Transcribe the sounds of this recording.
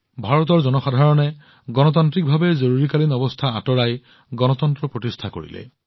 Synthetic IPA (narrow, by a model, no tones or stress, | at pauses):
bʱaɹɔt̪̬ɔɹzɔnɔxadʱaɹɔnɛ | ɡɔnɔt̪̬antɹik̚bʱabɛzoɹuɹikalinɔbɔstʰaatɔɹaj | ɡɔnɔt̪ɔntɹɔpɹotistʰako̰ɹḭlɛ̰